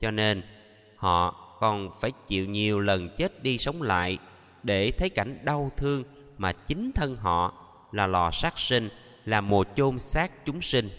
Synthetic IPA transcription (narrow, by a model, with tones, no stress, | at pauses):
t͡ɕɔ˧ne˧n | hɔ̰˧˨kɔ˨˩nfaː˧˩jt͡ɕḭ˧˨wɲi˨˩əwlə˨˩nt͡ɕe˦˥t̚ɗi˧sə˨˦wŋ͡mla̰ː˧˨j | ɗe˧˩t̪ʰə˨˦jka˧˩jŋ̟ɗa˧wt̪ʰɨ˧əŋ | maː˨˩t͡ɕï˨˦ŋ̟t̪ʰə˧nɦɔ̰˧˨ | laː˨˩lɔ˨˩saː˦˥k̚si˧ŋ̟ | laː˨˩mo˨˩t̚t͡ɕo˧msaː˦˥k̚t͡ɕʊ˨˦ŋ͡msï˧ŋ̟